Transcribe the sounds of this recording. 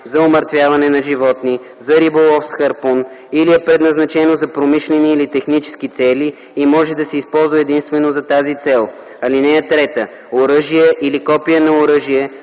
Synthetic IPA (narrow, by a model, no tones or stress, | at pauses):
zɐoməɾt̪vʲjavɐnɛnɐʒivɔt̪ni | zɐɾibolˠɔfsxɐɾpon | iliɛpɾɛd̪nɐznɐt͡ʃɛnozɐpɾomiʃlɛniːlit̪ɛxnit͡ʃɛ̥skit̪sɛli | imɔʒɛd̪ɐsɛispɔlˠzvɐɛd̪inst̪vɛnozɐt̪azit̪sɛlˠ | ɐlinɛɛt̪ɾɛt̪ə | oɾɤʒiɛʔilikɔpijənɐoɾəʒiɛ